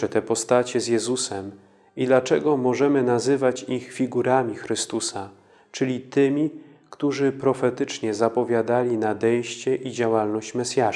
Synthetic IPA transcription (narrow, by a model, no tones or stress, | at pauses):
ɛt̪ɛpɔst̪at͡ɕɛzjɛzusɛm | id̪lat͡ʂɛɡɔmɔʐɛmɘnazɘvat͡ɕixfʲiɡuɾamʲixɾɘst̪usa | t͡ʂɘlʲit̪ɘmʲi | kt̪uʐɘpɾɔfɛt̪ɘt͡ʂɲɛzapɔvʲjad̪alʲinad̪ɛjɕt͡ɕɛʔid͡ʑawalnɔɕt͡ɕmɛsʲja